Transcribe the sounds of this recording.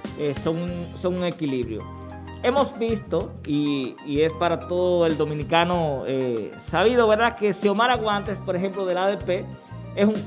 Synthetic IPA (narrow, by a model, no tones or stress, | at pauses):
eso̞ŋuso̞ŋuŋe̞kiliβɾjo̞̰ | e̞mosbist̪o̞ | iːespaɾat̪o̞ðoe̞ld̪o̞mĩnikanoesaβiðo̞βe̞ɾðake̞siomaɾaɣwãnt̪e̞spo̞ɾeɦe̞mploð̞elaðe̞pe̞ | esuŋ